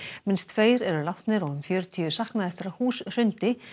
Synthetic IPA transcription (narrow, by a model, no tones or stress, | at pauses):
mɪnst̪ʰfeːjɾɛɾʏlaft̪nɪɾɔðʏmfjœːɾʏt̪ʰiːʏsahknaðɛhst̪ɾahuːsr̥ʏnt̪ɪ